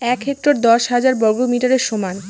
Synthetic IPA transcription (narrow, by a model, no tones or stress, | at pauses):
ɛkɦek̚ʈɾoɾd̪ɔʃɦad͡ʑaɾbɔɡomiʈaɾeɾʃoman